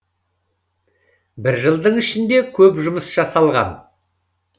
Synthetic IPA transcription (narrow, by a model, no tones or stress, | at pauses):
bɪɾʒəlˠd̪əɴɪʃɪnd̪e̞kʲʰɵpʒʊməsʒ̥ɑsɑlˠʁɑ̰n